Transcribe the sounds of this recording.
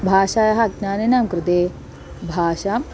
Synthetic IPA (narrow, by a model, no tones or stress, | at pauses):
bʱaːʃaːjɐɦɐɡnaːninamkɾɪt̪eː | bʱaːʃam